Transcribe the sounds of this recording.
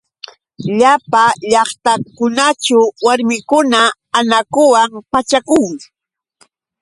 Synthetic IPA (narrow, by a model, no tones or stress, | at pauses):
ʎapaʎɑχt̪akʊnat͡ʃʊwaɾmɪkʊnaː | nakʊwampat͡ʃakʊŋ